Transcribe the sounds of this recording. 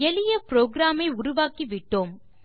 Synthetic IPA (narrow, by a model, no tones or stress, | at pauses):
ɛlɪjɐpɾoːɡɾaːmɐɪʊɾʊʋaːkiʋɪʈːoːm